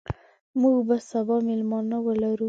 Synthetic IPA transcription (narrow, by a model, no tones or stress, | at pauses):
muɡbasabɑmɪlmɑnawəlaɾu